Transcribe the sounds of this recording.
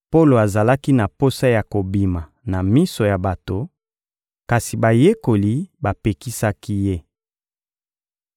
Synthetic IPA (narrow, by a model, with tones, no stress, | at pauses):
po˦lo˨a˨za˨la˦ki˦na˨po˦sa˦ja˨ko˨bi˨ma˨ | na˨mi˦so˨ja˨ba˨to˨ | ka˨si˨ba˨je˦ko˨li˨ba˨pe˨ki˦sa˦ki˦je˦